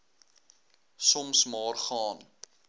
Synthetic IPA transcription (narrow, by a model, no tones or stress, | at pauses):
sɔmsmɑːrχɑːn